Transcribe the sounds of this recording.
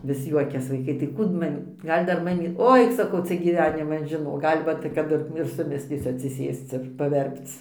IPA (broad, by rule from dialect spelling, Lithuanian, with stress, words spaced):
ʋʲɪs ˈjuɔkʲɛs ʋɐɪˈkɐɪ tɐɪ ˈkuː t ˈmɑːmʲiː ˈɡɐlʲ dɐr ˈmɑːmʲiː ˈoːɪ sɐˈkɐʊ ˈt͡sʲɛ ɡʲiːˈʋʲæːnʲɪmɐn ʒʲɪˈnoːk ˈɡɐlʲ ˈʋɐt kɐˈdʊ ɪr ɪr sʊˈmʲɪsʲlʲiːsʲʊ ɐtʲsʲɪˈsʲeːst͡s ɪr pɐˈʋʲɛrpt͡s